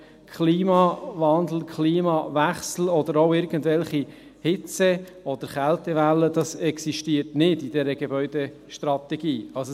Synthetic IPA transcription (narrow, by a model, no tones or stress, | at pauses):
kʰχliːmɑvɑnd̪l̩kʰχliːmɑvæχsl̩ɔd̪əɾoɪɾɡ̥əndvɛlχi | hɪt͡sɛ | ɔd̪əɾχæltɛʋælːəd̥ɑsɛksiʃtiətnɪdid̥ɛɾəɡ̥ebœʏd̥e | ʃtɾɑt̪ɛɡ̥iːɑls